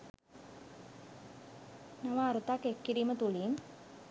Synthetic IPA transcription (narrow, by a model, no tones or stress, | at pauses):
naʋaːɾut̪akːekːiɾiːmət̪uliːn